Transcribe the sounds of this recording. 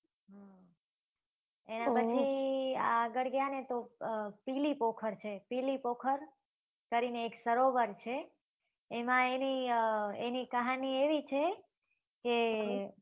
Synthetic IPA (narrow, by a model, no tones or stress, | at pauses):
ɦã | enãpət͡ʃʰiia̰ɡəɽɡjanet̪opilipokʰəɾt͡ʃʰepilipokʰəɾ | kəɾineːksəɾoʋəɾt͡ʃʰeː | mãenienikəɦanieʋit͡ʃʰe | ke